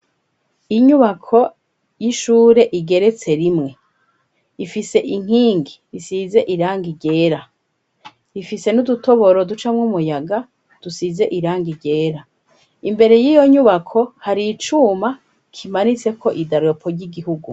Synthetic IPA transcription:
iɲuβakʰo̞ | jiʃuːɾe̞ʔiɡe̞ɾe̞t͡se̞ɾimŋe̞ | ifise̞ʔiŋ̥hiːŋɡi | size̞ʔiɾaːŋɡiɟe̞ːɾa | ifise̞nuduto̞βo̞ɾo̞dut͡ʃamŋumujaɡa | d̥usize̞ʔiɾaːŋɡiɾɟe̞ːɾa | imbe̞ɾe̞jiːjo̞ɲuβakʰo̞haɾit͡ʃuma | kʰimanit͡se̞kʰo̞ʔidaɾo̞pʰo̞ɾɟiɡihuɡu

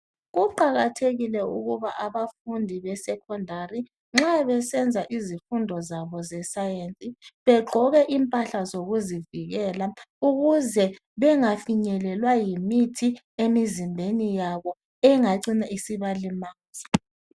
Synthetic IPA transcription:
ɣuǃaɣatʰeɣilɛṵɣuβaʔaβafundʱiβɛsɛkʰɔndʱari | ŋ͡ǁaβɛsɛnd͡zʱaʔizifundʱɔzaβɔzɛsajent͡sʼiβɛɡ͡ǃʱɔɣɛʔimpʼaɬazoɣuziviɣɛlauɣuzɛ | βɛŋafiɲɛlɛlwajimitʰi | emizimbʱenijaβɔ | ɛŋaǀinaisiβalimaːzi

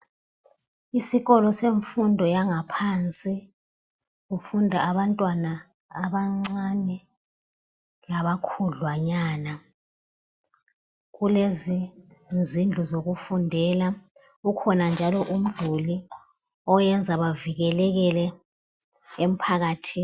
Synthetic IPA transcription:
isiɣɔlɔseɱfundʱɔjaŋapʰant͡sʼi | ɣufundʱaːβantʼwanaː | ɓaŋ͡ǀanɛ | laβakʰuɮwaɲaːna | ɣulezi | zind͡ɮʱuzoɣufundʱɛla | ukʰɔnand͡ʒʱalɔʔum̩d̥ʱuli | ɔjɛnd͡zʱaβaviɣɛlɛɣɛlɛ | em̩pʰaɣaːtʰi

